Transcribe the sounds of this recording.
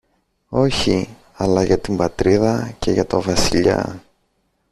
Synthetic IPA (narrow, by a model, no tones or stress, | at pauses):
o̞çi | ɐlɐʝɐt̪imbɐt̪ɾiðɐce̞ʝɐt̪o̞vɐsiʎɐ̰